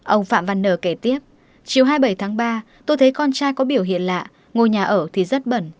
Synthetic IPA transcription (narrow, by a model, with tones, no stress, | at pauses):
ʔə˧wŋ͡mfa̰ː˧˨mva˨˧˩nːəː˧˩ke˧˩t̪i˦˥əp̚ | t͡ɕi˨˩əwɦaː˧jɓə˧˩jt̪ʰaː˨˦ŋɓaː˧ | t̪o˧jt̪ʰə˨˦jkɔ˧nt͡ɕaː˧jkɔ˨˦ɓi˧˩əwɦḭ˧˨ənla̰ː˧˨ | ŋo˨˩jɲaː˨˩ʔəː˧˩t̪ʰi˨˩zə˦˥t̚ɓə˧˩n